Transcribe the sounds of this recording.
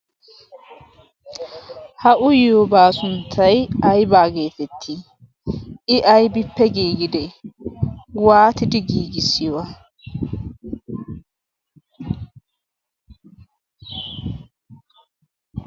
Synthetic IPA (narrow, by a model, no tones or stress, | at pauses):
hɐʔʊjɛhʊbaːsʊnt̪ʰːɐjɐjbaːɡeːt̪ɛt̪ʰːi | ʔɪʔɐjbɪpːɛɡiːɡɪd̪ɛ | waːt̪ɪd̪ɪɡiːɡɪsːɪjɔwa